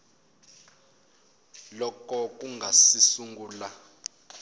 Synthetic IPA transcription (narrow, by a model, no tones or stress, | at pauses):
lɔkɔk̬ʼuŋʱasisuŋɡuːla